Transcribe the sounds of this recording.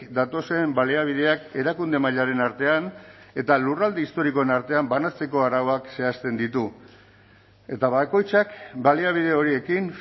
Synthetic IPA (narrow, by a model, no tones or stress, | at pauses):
d̪at̪o̞se̞mbaliaβ̞ið̞e̞ake̞ɾakund̪e̞maʎaɾe̞naɾt̪e̞ane̞t̪alurald̪eist̪o̞ɾiko̞e̞naɾt̪e̞ambanat͡se̞ko̞aɾaoakse̞ast̪e̞nd̪it̪u | e̞t̪aβako̞jt͡sakbaliaβ̞ið̞e̞o̞ɾie̞kin